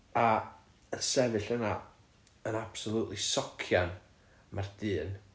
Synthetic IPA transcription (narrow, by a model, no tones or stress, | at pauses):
a | əsɛvɨɬəna | ənab̥sɔlˠuʔlisɔkʰjan | mard̥ɨːn